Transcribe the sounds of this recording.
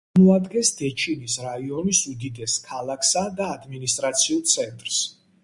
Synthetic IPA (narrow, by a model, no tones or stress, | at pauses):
mɔad̪ɡɛnsd̪̥ɛt͡ʃʰinisɾaiɔnisud̪id̪ɛskʰalˠakʰsad̪aːd̪minist̪ʼɾat̪sʰiulˠt̪sʰɛnt̪ʼɾs